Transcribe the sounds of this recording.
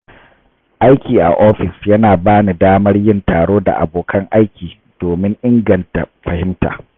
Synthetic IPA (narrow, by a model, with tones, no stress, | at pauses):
ʔa˦jkʲiː˨ʔa̰˨ʔoː˦ɸɪ˨sjɐ˦naː˨baː˦ni˨daː˦mɐ˦rjɪ˦ntaː˨ɽoː˦da̰˨ʔa̰˨boː˨kʰɐ˦ŋʔa˦jkʲiː˨ | d̥oː˨mɪ˦ŋʔɪ˦ŋɡɐ˨nta̰˨ɸɐ˨hɪ˦mta̰ː˨